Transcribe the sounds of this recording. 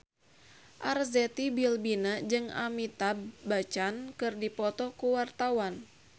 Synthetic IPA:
ʔarzɛt̪ibilbinad͡ʒɨŋa̰mit̪abat͡ʃankɨrdipɔt̪ɔkuwart̪awan

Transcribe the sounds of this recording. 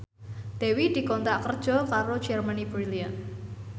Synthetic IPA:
d̪̥ewid̪̥i̤kɔnt̪aʔkərd̥ʒ̥ɔ̤kaɾo̥d͡ʒ̥ɛrmanibɾilian

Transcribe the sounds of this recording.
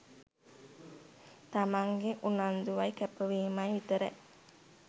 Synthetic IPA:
t̪amaŋɡeʔunand̪uʋajkɛpəʋeːmajʋit̪əɾə̰ʔ

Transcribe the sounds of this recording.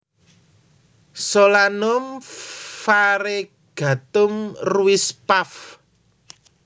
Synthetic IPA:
solanʊm | faɾe | ɡ̥a̤t̪ʊmruɪspaf

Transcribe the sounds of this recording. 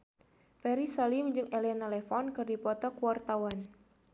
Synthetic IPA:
fɛɾisalimd͡ʒɨŋʔɛlɛnalɛfɔnkɨrdipɔt̪ɔkuwart̪awan

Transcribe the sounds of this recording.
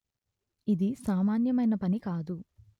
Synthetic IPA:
id̪isaːmaːnjɐmɐjnɐpɐnikaːd̪u

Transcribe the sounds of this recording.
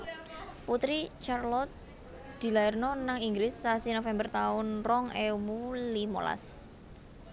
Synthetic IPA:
put̪ɾit͡ʃarlɔt̪̚ | d̪̥i̤laɛrnɔnaŋiŋɡɾɪsːasinofɛmbərt̪aʊnrɔŋewulimo̰la̰s

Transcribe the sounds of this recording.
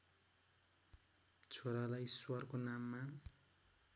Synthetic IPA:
t͡sʰoɾalajswʌrkonamːa

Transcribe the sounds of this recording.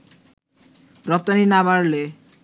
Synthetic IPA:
ɾɔp̚t̪aninabaɾle

